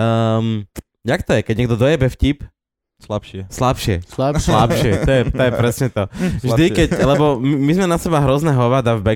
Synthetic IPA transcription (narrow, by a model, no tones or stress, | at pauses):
əm | jakt̪ɔjɛkɛɟɲɛɡd̪ɔd̪ɔjɛbɛfcip | slapʃslapʃɪɛ̰sslapʃɪɛt̪ɔjɛt̪ɔjɛpɾɛsɲɛt̪ɔvʒd̪ikɛclɛbɔmimizmɛnasɛbaɦɾɔznaɦɔʋad̪avbɛ